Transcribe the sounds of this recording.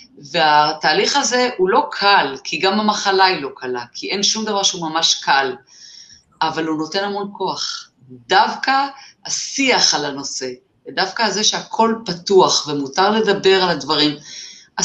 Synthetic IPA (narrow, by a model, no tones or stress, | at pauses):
ve̞ataːliχaze̞hulo̞kʰalkʰiɡamamaχalailo̞kʰalakʰiʔe̞nʃumd̪avaʁʃeumamaʃkal | avaluno̞te̞namo̞nko̞aχ | d̪avkaasiaχalano̞se̞ | edavkaze̞ʃeakʰo̞lpatuaχvemutaʁle̞dabe̞ʁaladvaʁima